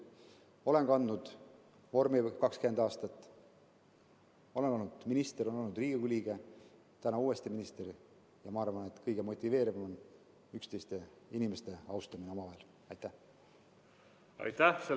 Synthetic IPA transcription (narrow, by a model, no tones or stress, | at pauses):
o̞le̞ŋkɑnd̪nud̪̥ | vo̞rmikɑkskyed̪ɑːst̪ɑt̪ːˑ | o̞le̞nkɑnnud̪̥minist̪eɾo̞nolnːud̪riːɡ̥iɡulʲiːɡ̥e̞ | t̪ænɑuːe̞st̪iminist̪eɾ | jɑmɑɑrvɑne̞t̪ˑkɤjɡ̥emo̞t̪ʲːive̞ːɾivɑmɑn | ykst̪ejst̪e̞ | inʲime̞st̪e̞ɑwst̪ɑmine̞o̞mɑvɑel | ɑjt̪ːˑæ | ɑ̰jt̪æse